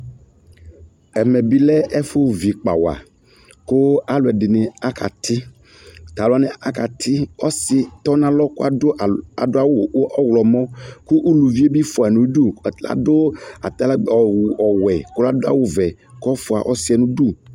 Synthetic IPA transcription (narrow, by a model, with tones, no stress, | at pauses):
ɛ˨mɛ˨bi˦lɛ˦ʔɛ˦fo˦vi˨k͡pa̰˨wa̰˨ | ko˦a˦lo˨ɛ˨ɖɪ˨nɪ˨a˦kʰa̰˨t̪ʰɪ˦ | t̪a˨lʊ˨a˨˦nɛ̃˨a˨ka˨t̪ʰɪ˦ɔ˦sɪ˦t̪ɔ˦nã˦lɔ˦ko˦a˨o˦˨a̰˨do˦a˦wo˨˦ʔɔ˦wlɔ˨mɔ̃˦ku˦ʔu˦lu˨vi˦e˦bi˦fo˨a˨nũ˦ɖu˦˨la̰˨do˦a̰˨t̪a˦la˦˨ɔ˨wu˨ʔɔ˨wɛ˨ko˦la˦do˦a̰˦wo˦vɛ˨ | kɔ˦fo˨a̰˨ʔɔ˦si˦ɛ˨nũ˦ɖu˦˨